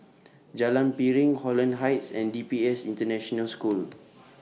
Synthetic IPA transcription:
d͡ʒalãnpiɹĩŋhɔlə̃nɦajtsɛ̃ndipiɛsĩntənɛʃɔnəlskul

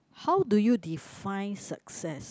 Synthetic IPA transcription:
hawdujudifãj̃nsa̰ksɛs

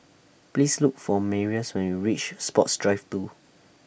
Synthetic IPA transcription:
plislukfɔmɛɹiəswɛ̃nwiɹit͡ʃspɔtsdɹaɪftu

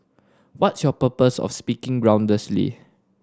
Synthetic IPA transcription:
wɔtsjɔpəpəsɔ̰fspikɪ̃ŋɡɹãw̃ndəslḭ

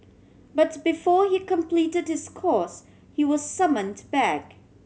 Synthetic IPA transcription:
b̥ʌt̚b̥ɨfɔɹikə̃mpʰl̥iɾɨd̚hɨz̥kʰɔɹs | hiwʌz̥sʌmə̃ndb̥æk

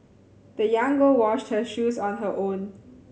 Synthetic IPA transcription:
ðəjãŋɡəlwɔʃt̚həʃuːzɔ̃n̩ɦəʔõn

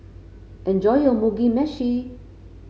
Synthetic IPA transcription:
ʔɛnd͡ʒɔjomuɡimɛʃi

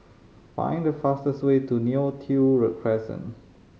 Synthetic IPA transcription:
fã̰ɪ̃ndəfastəswetuniotʰuɹɛkʰɹɛsə̰̃n

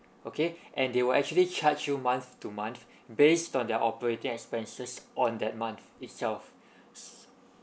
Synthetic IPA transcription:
okʰeʔɛ̃ndewəlʔɛk̚t͡ʃuəlit͡ʃʰatt͡ʃumãnθtumãnθ | bestɔ̃ndɛʔɔpəɹetĩŋɛkspɛ̃nsəsɔ̃ndɛt̚mãnθitsɛlf | s

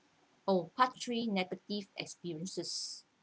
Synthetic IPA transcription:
opʰatɹinɛɡətivɛ̰kspiɹiə̃nsəs

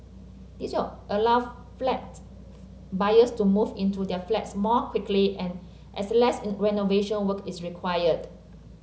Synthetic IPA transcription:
d̥isaʔəlaʊ | flɛt̚ | bajəstumuvĩntudɛflɛtsmɔkʰw̥ikʰliʔɛ̃n | ʔɛslɛsɹɛnoveʃə̃nwəkisɹikʰwajəd

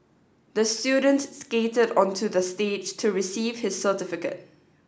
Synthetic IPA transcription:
d̪əstjuːdə̃ntsketədɔ̃ntʰudəsted͡ʒtʰuɹisiːv̥hɪsːətɪfɪkə̰t̚

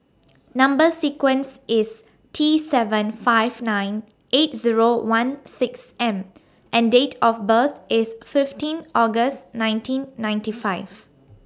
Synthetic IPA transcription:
nãmbəsikwə̃nsɪs | tʰisɛvə̃nfaɪv̥nãɪ̃n | ʔet̚ziɹowãnsɪksɛ̃m | ʔɛ̃ndetʰɔfbət̪ʰʔɪsfɪftĩnɔɡəstnãɪ̃ntʰĩnːãɪ̃ntifaɪv̥

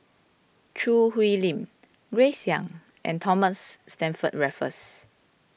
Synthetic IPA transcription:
t͡ʃʰɹuhwilĩm | ɡɹesjãŋ | ʔɛ̰̃ntʰɔməsːtɛ̃nfət̚ɹɛfə̰s

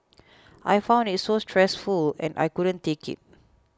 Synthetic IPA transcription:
ʔa̰jfãʊw̃ndit̚sostʰɹɛsfulɛ̰̃nʔa̰jkuɾə̃ntekɪ̰t̚

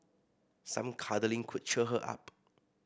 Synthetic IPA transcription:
sã̰mkʰadəlĩŋkʰʊd̚t͡ʃəɦəʔa̰p̚

